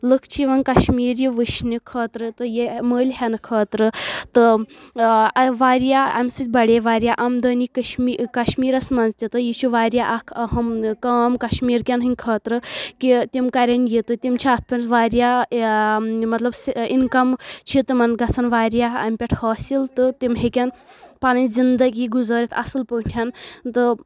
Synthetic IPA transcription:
lɨkʰt͡ʃʰiʋɐnkɐʃmiːɾjiʋɨʃʰnikʰɐːt̪ɾɨt̪ɨjiməːlʲhɐnɨkʰɐːt̪ɾɨt̪ɨ | ɐʋaːɾjaɐmʲsɨt̪̚ʲbɐɽʲeʋaːɾʲjaʔɐmd̪əːnikʃmikɐʃmiːɾɐsmɐnzt̪ʲit̪ɨjit͡ʃʰuʋaːɾjaʔɐkʰɐɦɐmkɐːmkɐʃmiːɾkʲɐnɦɨnʲkʰɐːt̪ɾɨkit̪imkɐɾʲɐnjit̪ɨt̪imt͡ʃʰiaːt̪̚ʰpʰʲɐnʲsʋaːɾja | mɐt̪lɐbsinkɐmt͡ʃʰit̪ɨmɐnɡɐsʰɐnʋaːɾjaɐ̰mʲpʲeʈʰhoːsilt̪ɨt̪imɦekʲɐnpɐnɐnzind̪ɐɡiɡuzəːɾʲit̪ʰɐsɨlpəntʲʰɐnt̪ɨ

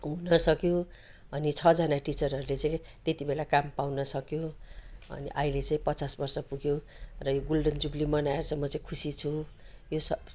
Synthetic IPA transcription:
ɦunʌsʌkjo | ʌnit͡sʰʌd͡zʌnaʈit͡sʌrɦʌɾulet͡saĩt̪et̪ibelakampawnʌsʌkjoʌ̰nḭʔʌilet͡saĩpʌt͡sasbʌrsʌpuɡjo | rʌjoɡolɖʌnd͡zublimʌnajert͡sʰʌmʌt͡saĩkʰusit͡sʰu | josʌ

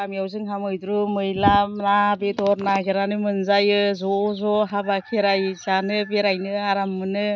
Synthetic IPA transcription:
amijawzɯŋɦamɯjdɾumɯjlamnabedɔɾnaɡeɾanɯmɯnzajɯzɔzɔɦabakʰeɾajzanɯbeɾajnɯaɾamːɯnɯ

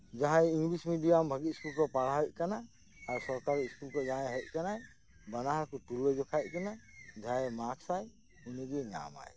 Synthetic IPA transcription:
d͡ʒaɦãjiŋɡlismidijambʱaɡit̪̚skulkɔpaɽaɦɔjʔ̚kanaː | ɾsɔɾkaɾiskulkɔd͡ʒaɛɦɔc̚ˀkanaj | banaɦaɾkutuɾwɛd͡ʒɔkʰajʔ̚kɛnad͡ʒajɛmaksaj | uniɡɛŋa̰ma̰j

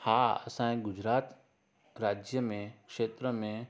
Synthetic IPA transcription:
haːɐ̰sãɡʊd͡ʒɾaːt̪ | ɾaːd͡ʒjəmẽkʃeːt̪ɾəmẽ

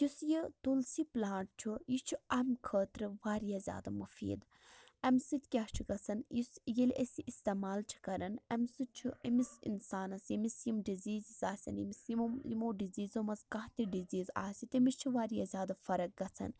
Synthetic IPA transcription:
jusjit̪ulsiplaːɳʈ̚t͡ʃʰujit͡ʃʰuɐmkʰəːt̪ɾɨʋaːɾijaːzʲja̰ːd̪amufḭːd̪ | ɐmsɨt̪ʰʲkʲaːɦt͡ʃʰuɡɐt͡sʰɐnjisjelʲʔesʲiʔist̪eːmaːlt͡ʃʰi̥kɐɾɐnɐmsɨt͡ʃʰuɐmisḭnsaːnɐsjimisjimɖiziːzizaːsʲɐ̰njḭmisjimjimoːɖiziːzomɐzkɐɦt̪iɖiziːza̰ːsʲit̪imist͡ʃʰuʋaːɾijaːzʲaːd̪afɐɾɐk̚ɡɐt͡sʰɐ̰n

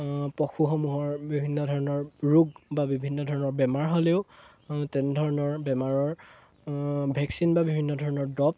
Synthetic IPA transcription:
pɔxuxɔmuɦɔɹbibʱinːɔdʱɔɹɔnɔɹɹuɡbabibʱinːɔdʱɔɹɔnɔɹbɛmaɹɦoleʊ | tɛnɛdʱɔɹɔnɔɹbɛmaɹɔɹ | bʱɛksinbabibʱinːɔdʱɔɹɔnɔɹdɔp̚

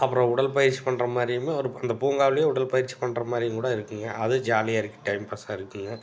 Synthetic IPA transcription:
ɐpːɯɾõːʊɽɐlpɐjɪɾt͡ʃːi̥pɐɳːrɐmaːd̪ɾɪjɯmeːɔɾɯɐnd̪ɐpuːŋɡaːʋlɪjeʊɽɐlpɐjɪɾt͡ʃːi̥pɐɳːrɐmaːd̪ɾɪjŋkuːɽɐɪɾɯkːɯŋɡɐʔɐðɯd͡ʒaːlɪjaːɪɾɯkːɯ̥ʈɐɪmpɐsaːɪɾɯkːɯŋɡɐ

